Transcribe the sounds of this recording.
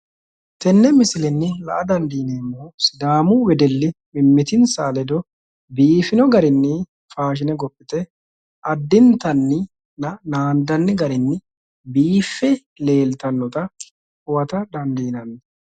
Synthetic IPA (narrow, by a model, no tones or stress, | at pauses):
t̪ɛnːɛmɪsɪlɛnːɪlɐ̰ʔɐd̪ɐnd̪iːneːmːoːsɪd̪aːmʊwɛd̪ɛlːɪmɪmːɪt̪ɪnsaːlɛd̪ɔ | biːfɪnɔɡɐɾɪnːɪ | faːʃ̬ɪnɛɡɔpʼːɪt̪ɛ | ʔɐd̪ːɪnt̪ɐnːɪ | nɐnaːnd̪ɐnːɪɡɐɾɪnːɪ | biːfːɛ | le̞ːlt̪ɐnːɔt̪ɐ | hʊwɐt̪ɐd̪ɐnd̪iːnɐnː